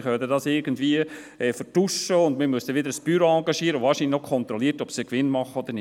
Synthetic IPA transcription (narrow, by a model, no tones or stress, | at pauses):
χœdədɑsɪɾɡəndʋiə | ɛfəɾtuʃəʊnd̪mɪmʉstəʋɪd̪əɾəsb̥yɾoɑːŋɡɑʃiːəɾəʊvɑːɾʃinlnokʰɔnt̪ɾɔliətɔpsikʋɪnmɑχəɔd̪əɾnɪ